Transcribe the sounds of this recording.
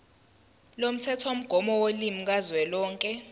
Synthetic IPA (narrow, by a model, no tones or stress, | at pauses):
lom̩tʰɛtʰom̩ɡ̥ʱɔmɔwolimik̬azwɛlɔːŋkʼɛ